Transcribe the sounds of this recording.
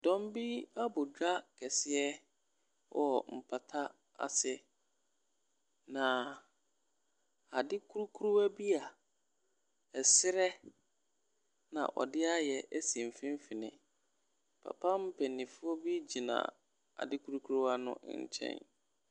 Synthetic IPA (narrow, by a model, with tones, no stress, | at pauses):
dɔ̃˦m˦bi˦a˦bʊ˨dᶣa˦kʰɛ˨sɪ˦ɛ˦ | wʔɔ˨m̩˨pʰa˨tʰa˦ | a̰˨sɛ˦ | nã˨ | a˨dɪ˦kʰu˦ɾu˦kʰu˦ɾu˦æ˦bi˦a˨ | ɛ˨sɪ˦ɾɛ˦ | nã̰˨ʔɔ̰˨dɪ˦a˦jɛ˨ʔæ˦sĩ˨m˨fĩ˦m˦fi˨nɪ̰̃˨ | pʰa̰˨pʰã˦m̩˦pʰɛ˨nĩ˨fʊ˦ɔ˦bi˦d͡ʑi˨nã̰˨ | a̰˨dɪ˦kʰu˦ɾu˦kʰu˦ɾu˦a˦nʊ̰̃˦ɲ̩̰˨t͡ɕʰɛ̰̃˦n